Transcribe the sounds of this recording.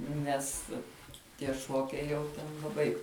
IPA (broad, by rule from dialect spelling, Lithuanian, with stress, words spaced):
ˈnʲɛs tʲiɛ ˈʃuɔkʲɛɪ jɛʊ ˈtʲɛn lˠɐˈbɐɪ